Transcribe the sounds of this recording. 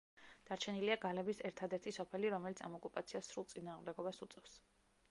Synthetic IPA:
d̪̥aɾt͡ʃʰɛniliaɡalɛbisɛɾt̪ʰad̪ɛɾt̪ʰisɔpʰɛliɾɔmɛlit̪sʰa̰mɔkʼupʼat̪sʰiasɾulˠsʼinaːʁmd̪ɛɡɔbasut̪sʼɛfs

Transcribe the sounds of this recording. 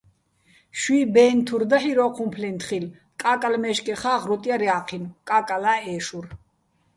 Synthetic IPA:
ʃwiːbɛːnt̪ʰuɾd̪aħiɾɔːqʰumpʰlɛnt̪χil | kʼaːkʼalmɛʃkʼɛχaːʁɾɔt̪ʼjaɾjaqʰinkʼakʼalaːɛːʃur

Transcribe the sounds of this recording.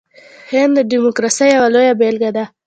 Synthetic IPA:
hɪnd̪d̪əɖimokɾɑsəjawalojabelɡad̪a

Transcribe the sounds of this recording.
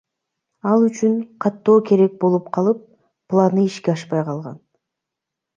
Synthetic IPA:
ɑlˠyt͡ʃyɴqʰɑt̪ːo̞ːke̞ɾe̞k̚bo̞lˠupqʰɑlˠɯp̚ː | lˠɑnɯiʃkʲeɑʃpɑjqʰɑlˠʁɑ̰n

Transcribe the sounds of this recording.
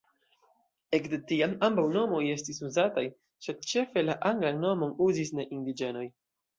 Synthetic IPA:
e̞kdetiamambawno̞mo̞je̞stisuzataj | sed̚t͡ʃe̞fe̞laʔaŋɡlanno̞mo̞nuzisneʔindid͡ʒe̞no̞j

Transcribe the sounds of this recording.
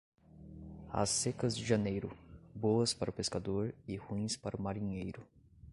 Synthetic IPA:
a̰sekɐzd͡ʒɪʒɐnejɾʊbowɐspaɾʊpeskad̪oɾɪhuĩspaɾʊmaɾĩɲejɾʊ

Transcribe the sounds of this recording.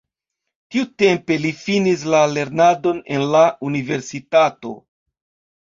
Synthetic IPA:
tiute̞mpe̞lifinis̬lale̞ɾnado̞ne̞nlaunive̞ɾsitato̞̰

